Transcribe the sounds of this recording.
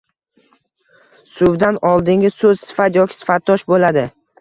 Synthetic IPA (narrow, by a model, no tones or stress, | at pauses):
sʊwd̪anɒlˠd̪ɪŋɡʲɪsɵz̥sɪ̥fat̪jɒkʲʰɪ̥sɪ̥fat̪ʰːɒʃbolad̪ɪ